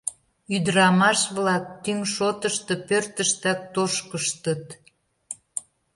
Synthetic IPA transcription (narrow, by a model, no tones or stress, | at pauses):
yd̪əɾɑmɑʃβlɑk̚t̪yŋʃot̪əʃt̪ɤ̆pørt̪əʃt̪æk̚t̪oʃkəʃt̪ət̪